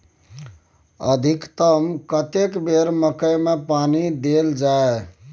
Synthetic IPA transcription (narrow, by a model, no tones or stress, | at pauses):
ə̰d̪ʱikt̪əmkət̪ekbeɾməkəjmepanid̪eld͡ʒae